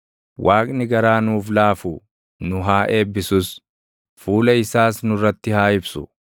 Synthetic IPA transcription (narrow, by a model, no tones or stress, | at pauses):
wʔaːkʼnɪɡɐɾaːnuːflaːfʊ | nʊɦaːʔe̞ːbːɪsʊs | fuːlɐɪsaːsnʊrːɐt̪ːɪhaːɪbsʊ